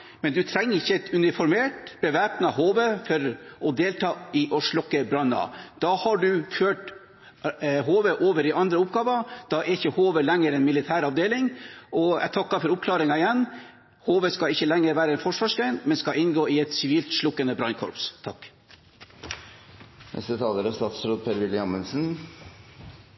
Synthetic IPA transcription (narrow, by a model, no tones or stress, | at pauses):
mɛnd̪ʉt̪ʰɾɛŋːəɾɪçːəɛt̪ʉnɪfɔɾmeːʈb̥əʋæːpnɑɦoːʋəfɔɾɔd̪eːlt̪ʰɑːɪʔɔʂɭɔkːəbɾɑnːɑ̰d̪̥ɑhɑɖʉføːʈ | ɦoːʋəʔoːʋəɾɪʔɑnd̪ɾəʊp̚ɡɑːʋɑd̪̥ɑʔɛɾɪçːəhoːʋəlɛŋːəɾɛnmɪlɪt̪ʰæːɾɑʋd̪eːlɪŋʔɔɛ̰t̪ʰɑkːɑfɔɾʊp̚kʰlɑːɾɪŋɑɪjɛnː | hoːʋəskɑɪçːəlɛŋːəɾʋæːɾəɛnfɔʂʋɑːʂɡɾæɪnmɛnskɑɪnɡoːɪɛt̪sɪʋiːlt̪ʂlʊkːənəbɾɑnkʰɔ̰ɾpst̪ʰɑkː | nʔɛ̰st̪ət̪ʰɑːləɾəst̪ɑːt̪sɾoːd̪̚pʰeːɾʋɪlːəɑmənsn̩